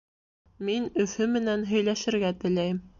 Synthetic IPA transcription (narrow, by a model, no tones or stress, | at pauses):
minɵ̆fɵmɘ̆nænɦɵ̆jlæʃɘ̆ɾɡæt̪ɘ̆læjm